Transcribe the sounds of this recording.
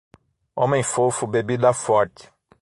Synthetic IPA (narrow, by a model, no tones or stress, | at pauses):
õmẽj̃fofʊbebid̪ɐfɔɾt̪ɪ̥